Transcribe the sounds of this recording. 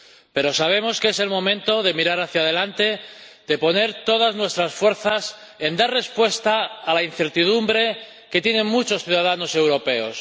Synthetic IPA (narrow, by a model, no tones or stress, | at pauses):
pe̞ɾo̞saβ̞e̞mo̞skese̞lmõ̞mẽnt̪o̞ðe̞miɾaɾaθjað̞e̞lant̪e̞ðe̞po̞ne̞ɾt̪o̞ð̞aznwe̞st̪ɾasfwe̞ɾθas | e̞nd̪arre̞spwe̞st̪aːlain̟θe̞ɾt̪iðumbɾe̞ | ke̞t̪je̞neŋmut͡ʃosθjuðaðano̞se̞wɾo̞pe̞o̞̰s